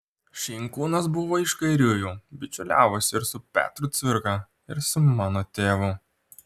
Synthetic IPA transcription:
ʃʲɛɪŋkuːnɐsbʊʋoːɪʃkɐɪɾʲuːjuːbʲɪt͡ʃʲʊlʲæːʋosʲɪɪɾsʊpʲæ̰ːt̪ɾʊt̪sʲʋʲɪɾkɐ | ɪɾsʊmɑːnoːt̪ʲeːʋʊ

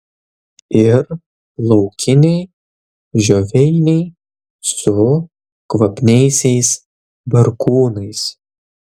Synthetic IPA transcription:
ɪɾ | lˠɔʊkʲɪnʲɛɪ | ʒʲoʋʲɛɪnʲɛɪ | sʊ | kʋɐpʲnʲɛɪsʲɛɪs | bɐɾkuːnɐɪs

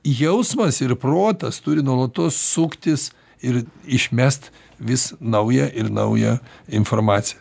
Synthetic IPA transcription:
jɛʊsmɐsɪɾproːt̪ɐst̪ʊɾʲɪnuɔlˠɐt̪oːssukt̪ʲɪs | ɪɾɪʃʲmʲæst̪ | ʋʲɪsnɐʊjɛʔɪɾnɐ̰ʊjɛ̰ːɪnformɑːt̪sʲɪjɛ

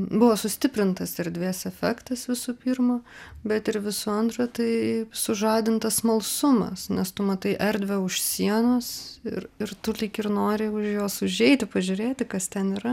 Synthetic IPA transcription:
bʊʋoːsʊsʲt̪ʲɪpʲɾʲɪnt̪ɐsɛɾʲd̪ʲʋʲeːsɛfʲɛkt̪ɐsʋʲɪsʊpʲiːrmobʲɛt̪ɪɾʋʲɪsʊɐnt̪rɐt̪ɐɪsʊʒɑːd̪ʲɪnt̪ɐsmɐlˠsʊmɐ̰snʲɛst̪ʊmɐt̪ɐɪʔɛɾʲd̪ʲʋʲɛʊʃsʲiɛnoːsɪ̰rɪrt̪ʊlʲikɪrnoːɾʲɪʊʃjoːsʊʒʲɛɪt̪ʲɪpɐʒʲʊɾʲeːt̪ʲɪkɐst̪ʲɛniːɾɐ

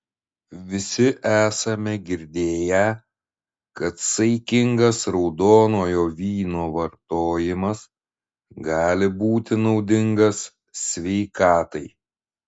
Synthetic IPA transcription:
ʋʲɪsʲɪʔæːsɐmʲɛɡʲɪɾʲd̪ʲeːjæ | kɐt̪sɐɪkʲɪŋɡɐsɾɒʊd̪oːnoːjoːʋʲiːnoːʋɐɾt̪oːjɪmɐs | ɡɑːlʲɪbuːt̪ʲɪnɒʊd̪ʲɪŋɡɐsːʲ | ʋʲɛɪkɑːt̪ɐɪ

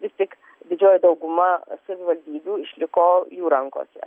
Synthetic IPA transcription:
ʋʲɪst̪ʲɪk | d̪ʲɪd͡ʒʲoːjɛd̪ɐʊɡʊmɐsɐʋʲɪʋɐlʲd̪ʲiːbʲuːɪʃʲlʲɪkoːjuːɾɐŋko̰ːsʲɛ̰

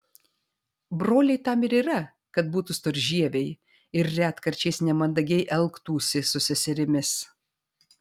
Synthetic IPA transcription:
bɾoːlʲɛɪt̪ɐmɪɾiːɾɐ | kɐt̪̚buːt̪ʊst̪oɾʲʒʲiɛʋʲɛɪ | ɪɾːʲæːt̪kɐɾʲt͡ʃʲɛɪsnʲɛmɐnd̪ɐɡʲɛɪʔɛlˠˑkt̪uːsʲɪsʊsʲɪsʲɪɾʲɪmʲɪs

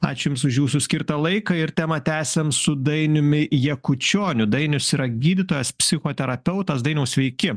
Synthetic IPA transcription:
ɑ̰ːt͡ʃʲʊjʊmsʊʃjuːsʊsʲkʲɪɾt̪ɐlˠɐɪkɐɪɾt̪ʲæːmɐt̪ʲæːsʲɛmsʊd̪ɐɪnʲʊmʲɪjɛkʊt͡ʃʲoːnʲʊd̪ɐɪnʲʊsiːɾɐɡʲiːd̪ʲɪt̪oːjɛspʲsʲɪxoːt̪ʲɛɾɐpʲɛʊt̪ɐsd̪ɐɪnɐʊsʲʋʲɛɪkʲɪ

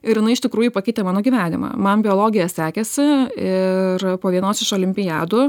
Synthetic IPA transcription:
ɪɾjɪnɐɪɪʃt̪ʲɪkɾuːjupɐkʲɛɪt̪ʲemɑːnoːɡʲiːʋʲæːnʲɪ̰mɐ̰ːmɐnbʲɪoːlˠoːɡʲɪjɛsʲæːkʲɛsʲɪɪrpoːʋʲiɛnoːsɪʃoːlʲɪmʲpʲɪjæːd̪ʊ

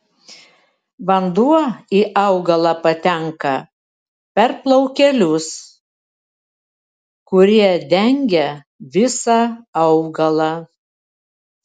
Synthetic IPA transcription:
ʋɐnd̪uɔiːʔɐʊɡɐlˠɑpɐt̪ʲɛŋkɐ | pʲɛɾplˠɐʊkʲɛlʲʊs | kʊɾʲiɛd̪ʲɛŋʲɡʲɛ | ʋʲɪsɑɐʊɡɐlˠɑ

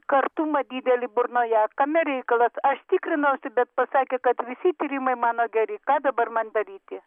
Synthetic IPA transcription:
kɐrt̪umɐd̪ʲiːd̪ʲɛlʲɪbʊrnoːjɛkɐmʲɛɾʲɛɪkɐlˠɐsɐʃt̪ʲiːkɾʲɪnɐʊsʲɪbʲɛt̪̚pɐsɑːkʲeːkɐt̪ʋʲɪsʲɪt̪ʲiːɾʲimɐɪmɑːnoːɡʲɛɾʲɪkɑːd̪ɐbɐrmɐnd̪ɐɾʲiːt̪ʲɪ

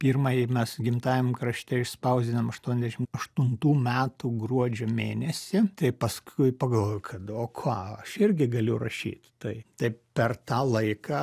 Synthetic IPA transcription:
pʲiːrmɑjimʲɛsɡʲɪmt̪ɑːjʲɛmkɾɐʃʲt̪ʲɛɪʃspɐʊzʲd̪ʲɪnɐmɐʃt̪uɔnʲɛzd̪ʲɛʃʲɪmɐʃt̪ʊnt̪uːmʲæːt̪uːɡɾuɔd͡ʒʲoːmʲeːnʲɛsʲɪt̪ɐɪpɐskʰʊɪpɐɡɐlˠʋoːjʊkʰɐt̪oːkʰɑːɐʃɪɾʲɡʲɪɡɐlʲʊʊrɐʃʲḭːt̪t̪ɐɪt̪ɐɪppʲɛrt̪ɑːlˠɐɪkɑː

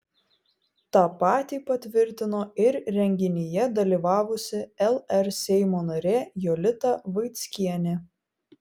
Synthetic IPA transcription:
t̪ɑːpɑːt̪ʲiːpɐt̪ʲʋʲɪɾʲt̪ʲɪnoːɪɾɾʲɛŋʲɡʲɪnʲɪjɛd̪ɐlʲiːˑʋɑːʋʊsʲɪɛlˠɛɾsʲɛɪmoːnɐɾʲeːjɔlʲɪt̪ɐʋɐɪt̪sʲkʲiɛnʲɪ

